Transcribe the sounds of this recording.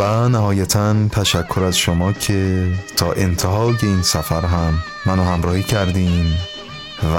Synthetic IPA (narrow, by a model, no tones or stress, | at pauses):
vænæɦɒːjæt̪ʰænt̪ʰæʃækʰːo̞ɾæzʃomɒːcʰe̞t̪ʰɒːʔe̞nt̪ʰeɦɒːje̞iːnsæfæɾɦæmː | ænohæmɾɒːhiːcʰæɾd̪iːm | v